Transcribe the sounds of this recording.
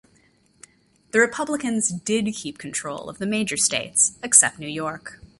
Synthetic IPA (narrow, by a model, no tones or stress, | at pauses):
ðɨɹɨpʰʌbləkɨ̃nzdɪd̚kʰip̚kʰn̩tʰɹ̥oʊlˠʌ̰vðɨmeɪd͡ʒə˞steɪtsɨksɛp̚tⁿnʉjɔɹk